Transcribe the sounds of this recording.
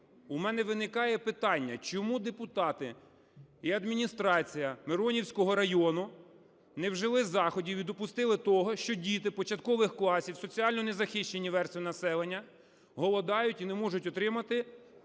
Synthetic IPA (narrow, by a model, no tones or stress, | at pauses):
umɛnɛʋɪnɪkɑjɛpɪt̪ɑnʲːɐt͡ʃɔmud̪epʊt̪ɑt̪ɪ | iɐd̪mʲinʲist̪ɾɑt͡sʲijɐmeɾɔnʲiwsʲkɔɦɔɾɐjɔnʊ | nɛwʒɪlˠɪzɑxɔdʲiʋʲid̪ɔpʊst̪ɪlˠɪt̪ɔɦɔʃt͡ʃɔdʲit̪ɪpɔt͡ʃɐt̪kɔʋɪxklˠɑsʲiwsɔt͡sʲiɑlʲnɔnezɐxɪʃt͡ʃenʲiʋɛrsʲt̪ʲʋʲinɐsɛlˠenʲːɐ | ɦɔlˠɔd̪ɑjʊtʲinɛmɔʒʊtʲɔt̪ɾɪmɐt̪ɪ